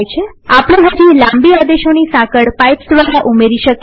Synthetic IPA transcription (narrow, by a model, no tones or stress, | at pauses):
jt͡ʃʰe | apɽ̃ẽɦad͡ʒilãmbiad̪eʃonisãkəɽpajpsd̪ʋaɽaʔumeɾiʃək